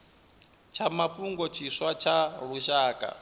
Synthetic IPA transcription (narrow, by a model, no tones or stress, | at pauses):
t͡ʃʰamapuŋɡɔt͡ʃʰiʂwat͡ʃʰaɺuʃaːkʼa̰